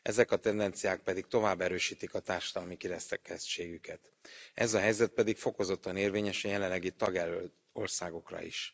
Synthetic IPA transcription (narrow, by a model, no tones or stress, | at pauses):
ɛ̰zɛkɒt̪ɛnd̪ɛnt̪sijaːk̚pɛd̪ik̚t̪o̞vaːbːɛɾøːʃiːt̪ikɒt̪aːrʃɒd̪ɒlmikiɾɛsɛkɛst͡ʃeːɡykɛt̪ | ɛzɒɦɛjzɛt̪̚pɛd̪ikfo̞ko̞zo̞t̪ːɒneːrveːɲɛʃɛjɛlɛnlːɛɡit̪ɒɡɛlø | o̞rsaːɡo̞krɒ̰ḭʃ